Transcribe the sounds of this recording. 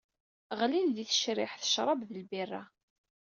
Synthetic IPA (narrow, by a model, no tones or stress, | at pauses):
ʁlinðiθə̥ʃɾɪħθə̥ʃɾˤɑbðəlbirˤːa̰